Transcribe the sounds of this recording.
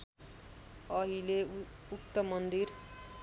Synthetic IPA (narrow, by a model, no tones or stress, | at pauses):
ʌɦile | uk̚t̪ʌmʌnd̪ir